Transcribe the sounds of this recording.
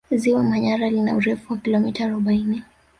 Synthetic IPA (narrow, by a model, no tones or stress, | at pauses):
ziwamaɲaɾalina̰uɾɛfuwakilɔmitaːɾɔɓaini